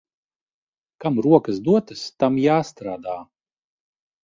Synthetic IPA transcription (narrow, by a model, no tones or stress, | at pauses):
kamɾuɔkɐsd̪uɔt̪ɨst̪amjaːst̪ɾaːd̪aː